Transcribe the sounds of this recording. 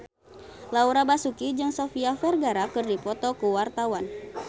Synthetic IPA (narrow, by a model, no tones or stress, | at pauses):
lauɾabasukid͡ʒɨŋsɔfiafɛrɡaɾakɨrdipɔt̪ɔkuwart̪awan